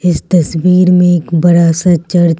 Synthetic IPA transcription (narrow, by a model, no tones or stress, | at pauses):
ɪst̪ɐswiːɾmẽeːkbɐɾaːsat͡ʃɐɾ